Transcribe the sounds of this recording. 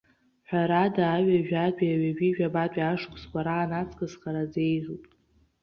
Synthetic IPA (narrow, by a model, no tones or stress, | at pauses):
ħʷᶣaɾadaːɥaʒᶣatʼiaɥaʒiʒᶣabatʷʼiaʂkʷʰʼskʷʼaɾaːnat͡sʰʼkʼɨsχaɾad͡ze̞jzʷupʼ